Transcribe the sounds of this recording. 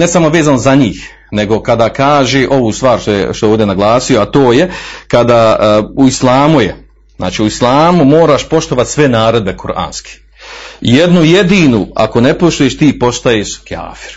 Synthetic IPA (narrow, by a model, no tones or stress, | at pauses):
nesamo̞ʋe̞ːzaːnozaɲiːx | ne̞ɡo̞kad̪aːkaːʒeʔo̞ʋuːst̪ʋaːɾʃt̪ojḛʃt̪ojoːd̪ʲe̞naɡlˠaːsioat̪oːje̞kad̪aːuislˠaːmuje | zna̰ːt͡ʃiːuislˠaːmumoːɾaːʃpo̞ʃt̪o̞ʋat̪sʋe̞naːɾo̞d̪be̞koɾʔa̰ːnske̥ | jed̪nujed̪iːnua̰ko̞ne̞po̞ʃt̪ujeʃt̪iːpo̞ʃt̪ajeːʃkja̰ːfi̥ɾ